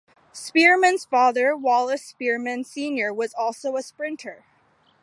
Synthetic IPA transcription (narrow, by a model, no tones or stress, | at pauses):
spɪɹmɨ̃nz̥fɑðə˞wɑlˠəspɪɹmɨ̃nsĩnjə˞wʌzɔlˠsoʊəspɹɪ̃ntʰə˞